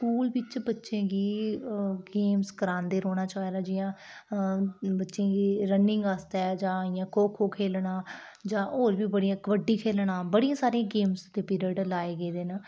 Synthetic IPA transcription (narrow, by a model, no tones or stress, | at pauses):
skuːlʋɪt͡ʃbətːʃẽːɡiː | ɡeːmskəɾãːnd̪eːɾoːɽ̃aːt͡ʃɔːeːɾaːd͡ʒɪjãː | bətːʃẽːɡiːɾənːɪ̃ŋɡaːst̪ɛːd͡ʒãːɪjãːkʰoːkʰoːkʰeːlɳaːd͡ʒãːʔoːɾʋiːbəɽijãːkəʋəɖːiːkʰeːlɳaːbəɽijãːsaːɾiãːɡeːmsd̪eːpiːɾəɖlaːeːɡeːd̪eːnə